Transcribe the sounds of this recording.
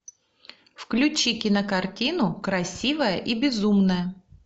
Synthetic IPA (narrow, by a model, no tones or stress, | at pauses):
fklʲʉt͡ɕikʲɪnəkɐrtʲinʊkɾɐsʲivəjəʔibʲɪzumnəjə